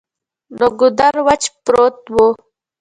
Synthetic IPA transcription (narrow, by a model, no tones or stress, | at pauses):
noɡʊd̪aɾwat͡ʃpɾot̪̚wo